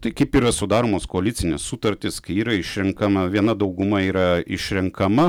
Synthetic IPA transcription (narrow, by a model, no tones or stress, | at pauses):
t̪ɐɪkɐɪpiːɾɐsʊd̪ɑːɾoːmoːskoɐlʲɪt̪sʲɪnʲɛssut̪ɐɾʲt̪ʲɪskɐɪiːɾɐɪʃʲɾʲɛŋkɐmɐʋʲiɛnɐd̪ɐʊɡʊmɐiːɾɐɪ̰ʃʲɾʲɛŋkɐmɐ